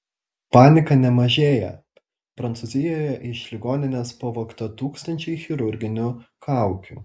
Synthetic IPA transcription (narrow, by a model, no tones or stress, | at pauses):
pɑːnʲɪkɐnʲɛmɐʒʲeːjɛ̰ | pɾɐnt̪suzʲɪjoːjɛʔɪʃlʲɪɡoːnʲɪnʲɛspɐʋoːkt̪ɐt̪uːkst̪ɐnʲt͡ʃʲɛɪxʲɪɾʊɾʲɡʲɪnʲʊkʰɑˑʊkʲṵː